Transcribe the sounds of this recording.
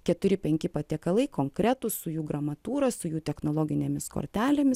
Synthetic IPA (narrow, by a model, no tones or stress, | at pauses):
kʲɛt̪ʊɾʲɪpʲɛŋʲkʲɪpɐt̪ʲiɛkɐlˠɐɪkoːŋkɾʲæt̪ʊssʊjuːɡɾɐmɐt̪uːɾɐsʊjuːt̪ʲɛxnoːlˠoːɡʲɪnʲeːmʲɪsko̰ɾʲt̪ʲæːlʲemʲɪs